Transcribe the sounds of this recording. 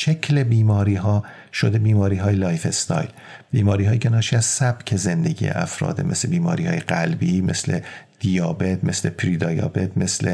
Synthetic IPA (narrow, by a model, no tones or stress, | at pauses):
ʃecʰle̞biːmɒːɾiːɦɒː | ʃod̪e̞biːmɒːɾiːɦɒːjelɒːjfe̞st̪ʰɒ̰ːjl | b̥iːmɒːɾiːɦɒːjicʰenɒːʃiːæz̥sæb̥cʰe̞ze̞nd̪e̞ɟḭjḛʔæ̰fɾɒ̰ːd̪ḛmʔeslebiːmɒːɾiːhɒːjeɡælbiːme̞̰sled̪̥ijɒːbet̪̚ʰme̞slepʰɾid̪ɒːjɒ̰ːbe̞t̪̚ʰme̞sle